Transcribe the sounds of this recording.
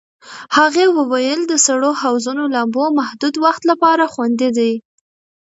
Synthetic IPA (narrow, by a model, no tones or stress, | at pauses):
haɣewəwajəld̪əsaɽohawzunolambomahd̪ud̪waxt̪lapɑɾaxwand̪id̪aj